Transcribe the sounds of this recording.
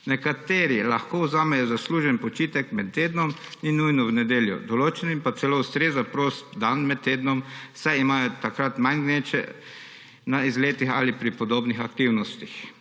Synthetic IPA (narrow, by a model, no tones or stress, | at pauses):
nɛkat̪eːɾilaxkoːuzaːmɛjɔzasluːʒɛnpɔt͡ʃiːt̪ɛkmɛt̪ːeːd̪nɔmninujnɔwnɛd̪eːljṵd̪ɔloːt͡ʃɛnimpat̪sɛloʊst̪ɾezapɾoːst̪d̪anmɛt̪̚ːeːd̪nɔmsɛimaːjɔt̪akɾat̪majnɡnet͡ʃɛ̰ | naizleːt̪ixalipɾipɔd̪oːbnixakt̪iwnɔst̪ix